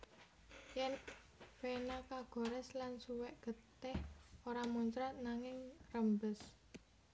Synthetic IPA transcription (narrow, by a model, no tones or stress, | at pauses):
jɛn | fenakaɡ̥ɔ̤ɾɛslansuwɛʔɡ̥ə̤t̪ɪhoɾamuɲt͡ʃɾat̪̚naŋɪŋrəmbəs